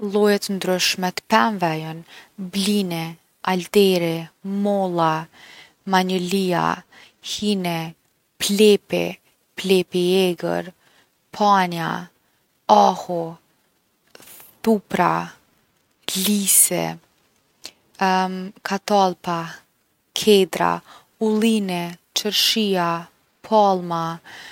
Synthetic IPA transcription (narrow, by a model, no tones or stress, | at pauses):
lˠɔjɛt̪ənd̪ɾʉʃmɛt̪ə̥pɛnvɛjɔnblinɛ | ald̪ɛɾɛmɔlˠa | maɲəlia̰ | hinɛ | plɛpɛ̰ | plɛpiɛɡə̰ɾ | pʰanja̰ | ahɔ | t̪upɾa | lisɛ̰ | kʰat̪alˠpa | kʰɛd̪ɾa̰ | ulinɛt͡ʃəɾʃia | pʰalˠma